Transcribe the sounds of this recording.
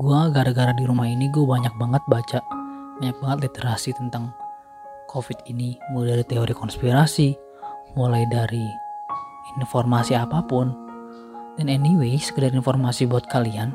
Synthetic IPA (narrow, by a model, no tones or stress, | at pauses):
ɡuaɡaɾaɡaɾadiɾumahiniɡuabaɲak̚baŋət̪̚bat͡ʃabaɲak̚baŋət̪lit̪əɾasit̪ənt̪aŋ | kʰofit̪̚inimulajdaɾit̪ɛoɾikɔnspiɾasi | mulajdaɾi | infɔrmasiapapʊn | dɛnɛniwesə̥kədaɾinfɔrmasibɔat̪̚kalian